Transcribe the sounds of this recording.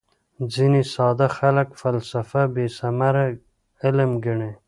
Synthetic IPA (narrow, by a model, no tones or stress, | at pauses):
d͡zinisɑːd̪axalakfalsafabesamaɾa | ɪlmɡɪɳe